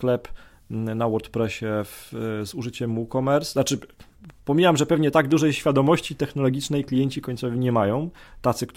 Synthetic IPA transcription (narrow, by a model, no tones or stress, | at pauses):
klɛp | nawɔɾt̪pɾɛɕɛvzuʐɘt͡ɕɛmːukɔmɛɾsnat͡ʂɘ | pɔmʲiwamʐɛpɛvɲɛt̪aɡd̪uʐɛjɕfʲjad̪ɔmɔɕt͡ɕit̪ɛxnɔlɔɡʲit͡ʂnɛjklʲijɛɲt͡ɕikɔɲʲt̪sɔvʲiɲɛmajɔ̃w̃t̪at̪sɘkt̪